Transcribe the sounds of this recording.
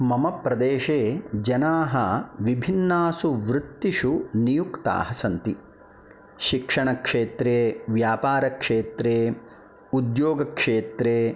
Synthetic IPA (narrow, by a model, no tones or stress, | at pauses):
mɐmɐpɾɐd̪eːʃeːd͡ʒɐnaːɦɐʋibʱinːaːsuʋɾut̪ːiʃunijukt̪a̰ːɦɐsɐnt̪i | ʃikʂɐɳɐkʂeːt̪ɾeːʋjaːpaːɾɐkʂeːt̪ɾeː | ud̪joːɡɐkʂeːt̪ɾeː